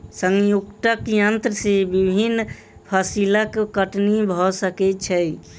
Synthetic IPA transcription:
səŋjuɡʈ̪akjənt̪ɾəsebibʱinː | pʰəsilakkəʈnibʱɔsəkɛt͡ʃʰəj

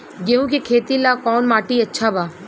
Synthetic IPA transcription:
ɡeũkekʰeːt̪ilakɔːnmaːʈiɐtːʃʰabaː

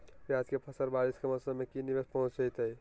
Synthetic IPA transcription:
piad͡ʒkepʰəsəɾbaɾiskeməsəmekinibespəɦũt͡ʃt͡ʃəjt̪əj

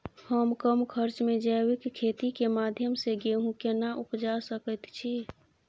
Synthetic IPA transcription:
həmkəmkʰəɾt͡ʃmed͡ʒəwɪkʰːet̪ikemaːd̪ʱjəmseɡeɦũkenaʔupd͡ʒasəkət̪t͡ʃʰi

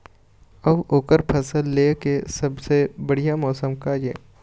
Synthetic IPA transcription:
əboːkəɾpʰɐsəlːeːkesɐbsebəɽijamɔːsəmkaːd͡ʒɛ̰ː

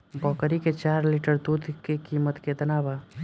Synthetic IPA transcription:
bɔːkəɾiket͡ʃaːɾlɪʈəɾd̪uːd̪kekiːmət̪ked̪ɐnaːʋaː

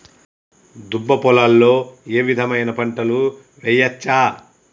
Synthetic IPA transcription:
d̪ubːɐpɔlɐlːo̞ːeːʋid̪ʱɐmɐjnɐpɐɳʈɐlu | ʋɛjɐt͡ʃːaː

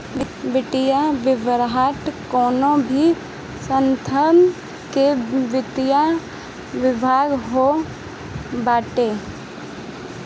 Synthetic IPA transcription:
ʋɪʈɪjaʋɪʋəɾɦaːʈkɔːnõbʱi | sənt̪ʰən | keʋɪt̪ɪja | ʋɪbʱaːɡɦo | baːʈeː

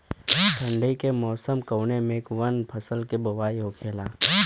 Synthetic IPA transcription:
ʈ̪ʰɐ̃ɳɖəikemɔːsəmkɐwnemẽkʋɐnpʰɐsəlkebɐʋaːiɦoːkʰeːlaː

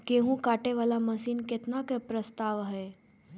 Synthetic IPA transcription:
keɦũkaːʈeʋaːlaməsiːnket̪nakepɾəst̪aːʋɦɛː

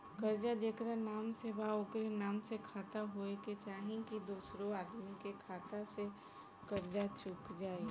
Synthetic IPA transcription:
kəɾd͡ʒad͡ʒeːkɾanaːmsebaokɾenaːmsekʰaːt̪aɦoeket͡ʃaːɦĩkid̪uːsɾoaːd̪mikekʰaːt̪ase | kəɾd͡ʒat͡ʃukd͡ʒaːe

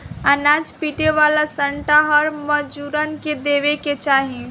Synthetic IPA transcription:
ənad͡ʒpiʈeʋalasəɳʈaɦəɾməd͡ʒuɾənked̪eʋeket͡ʃaːɦi

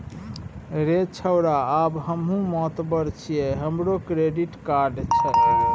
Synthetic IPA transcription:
ɾet͡ʃʰəwɾaːbɦəmɦũmɔt̪bəɾt͡ʃʰijɛɦəmɾokɾeɖiʈkaɾɖt͡ʃʰɛ

